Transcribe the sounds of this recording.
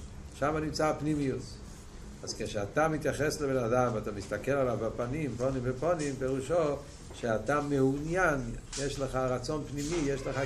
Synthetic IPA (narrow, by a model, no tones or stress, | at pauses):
ʃamanimt͡sapnimijut | azkeʃeatamit̪jaχesləbenadamvatamistakelalavbapanimponimvəponimpeʁuʃo | ʃeatameunjanjeʃləχaʁat͡sonpnimijeʃləχa